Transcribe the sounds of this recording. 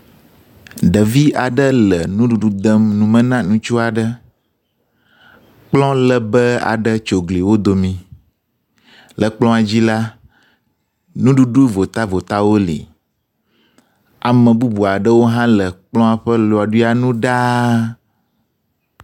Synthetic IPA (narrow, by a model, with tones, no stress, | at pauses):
ɖə˨vi˦a˨ɖə˦lə˨nũ˦ɖu˨ɖu˦d̪ə˦mnũ˨mə̃˦nã˦nũ˦t͡ʃu˦a˨ɖə˦ | k͡plɔ̃˦lə˨bə˦a̰˨ɖə˦t͡ʃo˨ɡli˨wo˦d̪o˨mĩ˨ | lə˨k͡plɔ̃˦a˨d͡ʑi˦la˦ | nũ˦ɖu˦ɖu˦vo˨t̪a˦vo˨t̪a˦wo˦lḭ˨ | a˨mə̃˨bu˦bu˨a˨ɖə˦wo˦ɦã˦lə˨k͡plɔ̃˦a˨ɸə˦lo˨a˨ɖu˦i˦a˨nũ˦ɖa˦